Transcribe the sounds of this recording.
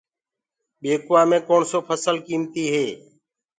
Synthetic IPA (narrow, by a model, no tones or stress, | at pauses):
ɓeːkʊʋaːmẽːkoːɳsoːpʰəsəlkiːmt̪iːɦeː